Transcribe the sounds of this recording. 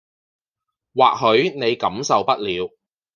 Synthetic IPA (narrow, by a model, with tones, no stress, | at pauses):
waː˨k̚ɦɵ˨˥ɥne˨˧jkɐ˨˥msɐ˨wpɐ˥t̚liː˨˧w